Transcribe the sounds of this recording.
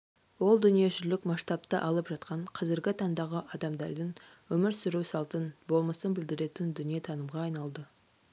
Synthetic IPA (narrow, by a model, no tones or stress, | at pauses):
wo̞lˠd̪ʏnije̞ʒʏɾlɪkmɑʃt̪ɑp̚t̪əʔɑlˠəpʒɑt̪̚qɑɴqʰɑzɪɾɡʲɪt̪ʰɑnd̪ɑʁəʔɑd̪ɑmd̪ɑɾd̪əɴwɵmɪɾsʏɾuwsɑlˠt̪ənbo̞lˠməsənbɪld̪ɪɾe̞t̪ɪnd̪ʏnije̞t̪ʰɑnəmʁɑːjnɑlˠd̪ə